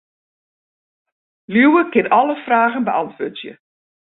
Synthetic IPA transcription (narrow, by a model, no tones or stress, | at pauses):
lywəkɪnɔləfraːɣənbəɑntʋøːtjə̰